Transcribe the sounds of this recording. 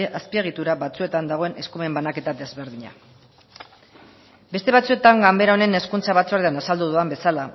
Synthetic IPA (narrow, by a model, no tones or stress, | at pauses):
ʔaspie̞ɣ̞it̪uɾaβat͡sue̞t̪and̪aɣ̞o̞e̞ne̞skume̞mbanake̞t̪ad̪e̞zβe̞ɾðiɲa̰ | be̞st̪e̞β̞at͡sue̞t̪aŋɡambe̞ɾaone̞ne̞skunt͡saβat͡suaɾet̪anasald̪uðuambe̞sala